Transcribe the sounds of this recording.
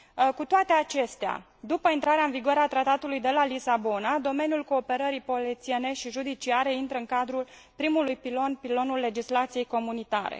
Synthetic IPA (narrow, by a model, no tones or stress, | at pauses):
kut̪oat̪e̞at͡ʃe̞st̪ea̰ | d̪upəint̪ɾaɾeaɨnviɡoaɾeat̪ɾat̪at̪ulujd̪e̞lalisabo̞nad̪o̞me̞nijulko̞ːpe̞ɾəɾipo̞lit̪siene̞ʃiʒud̪it͡ʃiaɾe̞int̪ɾəɨŋkad̪ɾul | pɾimulujpilo̞npilo̞nulːe̞d͡ʒislat̪sije̞jko̞munit̪a̰ɾḛ